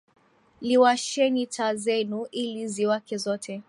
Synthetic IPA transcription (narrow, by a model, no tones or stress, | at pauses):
liwaʃɛnitʰazɛnuʔiliziwakɛzɔtʰɛ